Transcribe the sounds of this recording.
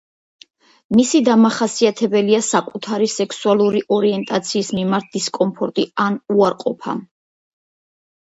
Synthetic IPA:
misid̪amaχasiat̪ʰɛbɛliasakʼut̪ʰaɾisɛkʰsualˠuɾiʔɔɾiɛnt̪ʼat̪sʰiːsmimaɾt̪̚ʰd̪iskʼɔmpʰɔɾt̪ʼianuaɾqʼɔpʰa̰

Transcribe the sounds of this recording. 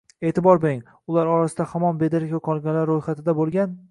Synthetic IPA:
e̞ːt̪ʰɪbɒɾbeŋ | ʊlaɾɒɾasɪd̪ahamɒmbed̪ɪɾɪkʲakʰɒlˠɡʲanlaɾːojχat̪ʰɪd̪abolˠɡʲan

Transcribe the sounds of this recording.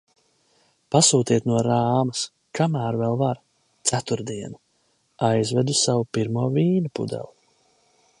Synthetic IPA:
pasuːt̪iɛt̪nuɔɾaːmɐs | kʰamæːɾvɛlˠvaɾ | t̪sæt̪uɾd̪iɛnu | ajzvɛd̪usavupiɾmuɔviːnupṵd̪ɛ̰lˠ

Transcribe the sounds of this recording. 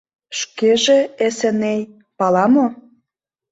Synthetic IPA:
ʃkeʒeesĕnej | pɑlɑmo

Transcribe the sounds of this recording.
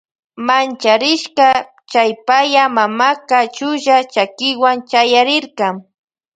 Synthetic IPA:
mant͡ʃaɾɪʃkɑ | t͡ʃajpajamamakat͡ʃʊʒat͡ʃakɪwant͡ʃajaɾɪɾkɑŋ

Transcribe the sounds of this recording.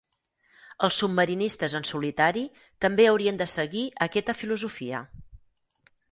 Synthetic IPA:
əlˠsːub̚məɾinist̪əzənsulit̪aɾi | t̪əmbeəwɾiənd̪əsəɣiʔəkɛt̪əfiluzufiə̰

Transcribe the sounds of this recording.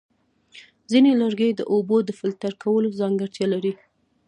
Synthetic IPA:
zineləɾɡejd̪ə̰ʔobod̪əfɪlt̪aɾkʰawəlozɑŋɡəɾt̪ʰjɑlaɾi

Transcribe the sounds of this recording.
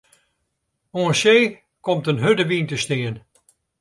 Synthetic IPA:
oənseː | kɔmtənɦødəʋintəstɪən

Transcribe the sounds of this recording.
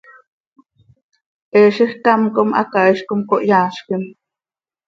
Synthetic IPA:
ʔɛːʃiχt̪ɑmkoʔmʔɑ̰kɑʔiʃkomkoʔjɑːʃkin

